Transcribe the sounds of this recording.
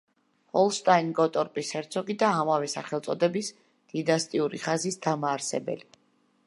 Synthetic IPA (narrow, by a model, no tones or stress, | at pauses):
hɔlˠst̪ʼainɡɔt̪ʼɔɾpʼisɛɾt̪sʰɔɡid̪aːmavɛsaχɛlt̪sʼɔd̪ɛbis | d̪̥inast̪ʼiuɾiχazisd̪amaːɾsɛbɛ̰li